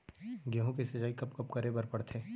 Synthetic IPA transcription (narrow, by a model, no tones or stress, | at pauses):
ɡjaɦõkesɐd͡ʒaːikɐpkɐpkɐɾebɐɾpɐɽt̪ʰeː